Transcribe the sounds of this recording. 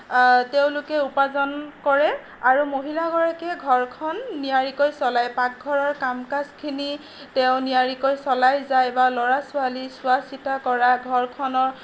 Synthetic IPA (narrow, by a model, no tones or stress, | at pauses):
teʊ̃lʊkɛupazɔnkɔɹɛ | aɹumoɦilaɡɔɹakɛɡʱɔɹkʰɔnːijaɹikojsɔlajpak̚ɡʱɔɹɔɹkamkaskʰini | tɛʊ̃nijaɹikojsɔlajzajbalɔɹasʊalisʊasitakɔɹaɡʱɔɹkʰɔnɔɹ